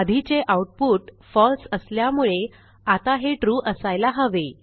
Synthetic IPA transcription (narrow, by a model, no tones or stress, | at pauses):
ad̪ʱit͡seʔauʈ̚puːʈ | fɔlsəsljamuɭe | at̪aɦeʈɾuːʔəsajlaɦəʋe